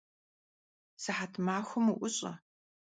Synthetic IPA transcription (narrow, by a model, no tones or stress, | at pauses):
sɨħatʰmaːxʷʊmuʔʷʊɕʼɐ̰